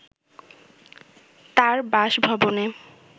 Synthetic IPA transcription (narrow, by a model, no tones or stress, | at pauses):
t̪aɾbaʃbʱɔbone